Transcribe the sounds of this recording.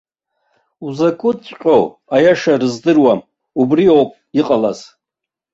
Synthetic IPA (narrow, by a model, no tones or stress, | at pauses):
uzakʷʼʊt͡sʷʼqʲʼow | ajaʂarɨzdɨrwam | ubriowpʼ | iqʼalaz